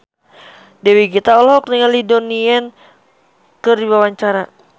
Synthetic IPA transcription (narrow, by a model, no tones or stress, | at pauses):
dɛwiɡit̪aɔlɦɔk̚nəŋalidoniɛn | kɨrdibawaɲt͡ʃaɾa